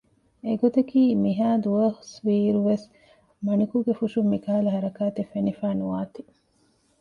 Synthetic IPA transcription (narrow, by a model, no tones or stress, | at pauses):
eɡot̪ɐkiːmiɦaːd̪uʋɐhsʋiːɾuʋes | mɐnikuɡefuʃumːikaːɐlɐɦɐɾɐkaːt̪efenifæːnuʋaːt̪i